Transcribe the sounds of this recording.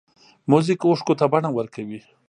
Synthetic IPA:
muzikʊʂkot̪abaɳawəɾkawi

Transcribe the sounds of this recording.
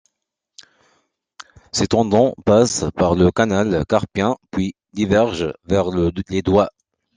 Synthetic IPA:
set̪ɑ̃d̪ɑ̃paspaʁləkanalkaʁpjɛ̃pɥi | d̪ivɛʁʒvɛʁled̪wa

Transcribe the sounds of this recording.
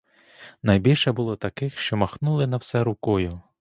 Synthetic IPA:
nɐjbʲilʲʃɛbʊlˠɔt̪ɐkɪxʃt͡ʃɔmɐxnulˠɪnɐwsɛɾʊkɔjʊ

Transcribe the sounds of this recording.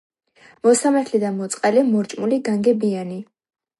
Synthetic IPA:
mɔsamaɾt̪ʰlid̪amɔt̪sʼqʼɛlimɔɾt͡ʃʼmuliɡaŋɡɛbiani

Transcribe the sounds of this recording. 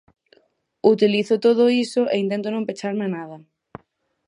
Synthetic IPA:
ut̪iliθot̪oðoisoʔeint̪ent̪̬onõmpet͡ʃaɾmenaðɐ

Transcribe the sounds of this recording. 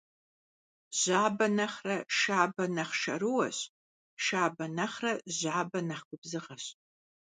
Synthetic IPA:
ʑ̥aːbɐnɐχrɐʃaːbɐnɐχʃɐ̰ɾɨwɐɕ | ʃaːbɐnɐχrɐʑaːbɐnɐχkʷʊbzɨʁɐɕ

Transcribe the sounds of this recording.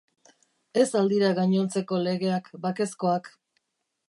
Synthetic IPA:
e̞sald̪iɾaɣaɲo̞nt͡se̞ko̞le̞ɣe̞akbake̞sko̞ak

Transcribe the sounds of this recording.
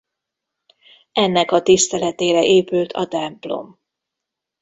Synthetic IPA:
ɛnːɛkɒt̪ist̪ɛlɛt̪eːɾɛʔeːpylt̪ʰɒ̰t̪ɛmplo̞̰m

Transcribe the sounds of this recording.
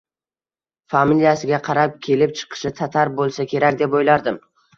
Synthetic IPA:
familijasɪɡʲaqʰɑɾap̚kʲʰe̞lɪp̚t͡ʃʰɨ̥qʰɨ̥ʃɪt̪ʰat̪ʰaɾbolˠsakʲʰe̞ɾak̚ʲd̪epojlaɾd̪ɪm

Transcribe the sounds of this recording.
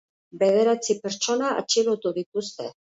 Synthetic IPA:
be̞ð̞e̞ɾat͡sipeɾt͡ʃo̞naa̰t͡ʃiɣot̪uðit̪ust̪e̞

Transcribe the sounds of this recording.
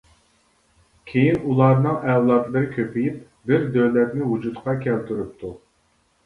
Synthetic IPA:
kʲʰejinulˠɑɾnɨŋɛwlˠɑt̪lˠɨɾɪkʲʰøpʰijip̚ | bɪɾd̪øwlɛt̪nɪwud͡ʒut̪qʰɑkʲʰælt̪yɾyp̚t̪ʰu

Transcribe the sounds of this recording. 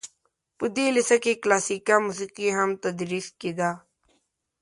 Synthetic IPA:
pud̪iːlisɐkiklaːsiːkamusiːqiɦɐmt̪ɐd̪ɾiːskid̪aː

